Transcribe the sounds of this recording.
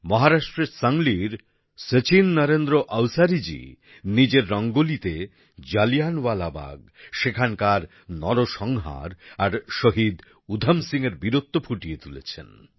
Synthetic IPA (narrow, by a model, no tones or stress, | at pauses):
mɔɦaɾaʃʈɾeɾsaŋliɾ | set͡ɕinːəɾend̪ɾoʔawsaɾid͡ʑḭ | nid͡ʑeɾːɔŋɡolit̪e | d͡ʑalijanwalaba̰ɡ | ʃekʰankaɾ | nɔɾoʃɔŋɦa̰ɾaɾʃoɦid̪ | ud̪ʱamsiŋeɾbiɾot̪ːopʰuʈijet̪ulḛt͡ɕʰḛn